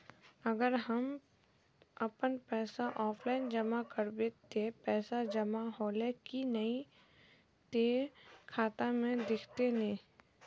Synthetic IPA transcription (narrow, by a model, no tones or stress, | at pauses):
ɐɡəɾɦəm | ɐpənpɛːsaʔɔːpʰlaːɪnd͡ʒəmakəɾbeːt̪ːepɛːsad͡ʒɐmaɦoːlekinəi | t̪eːkʰaːt̪amẽd̪ɪkʰt̪enẽː